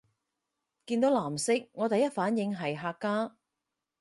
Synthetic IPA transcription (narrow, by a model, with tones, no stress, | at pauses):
kiː˧nt̪o˨˥wlaː˨˩msɪ˥k̚ŋɔː˨˧t̪ɐ˨jɐ˥t̚faː˨˥njɪ˨˧ŋɦɐ˨˩jɦaː˧kːaː˥